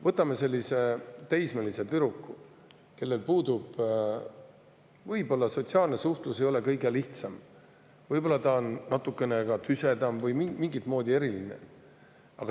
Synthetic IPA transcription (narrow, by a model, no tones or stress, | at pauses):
vɤt̪ːˑɑme̞se̞lʲːise̞t̪ejsmeliset̪yɾukːu | ke̞lːe̞lpuːd̪ub̥ | vɤjbo̞lːɑso̞t̪ʲsiɑːlne̞suht̪lusejo̞le̞kɤjɡe̞liht̪sɑm | vɤjbo̞lːɑt̪ɑonːɑt̪ːukːˑe̞nekɑt̪yse̞d̪ɑmvɤjmimiŋɡit̪mo̞ːd̪̥ʲie̞ɾilinḛ | ɑ̰ɡ̥ɑ